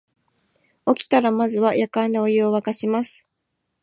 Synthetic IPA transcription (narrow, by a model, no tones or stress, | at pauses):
o̞kʲi̥t̪aɾamazɨβajʔakãnd̪eojɯoβakaɕimasɨ̥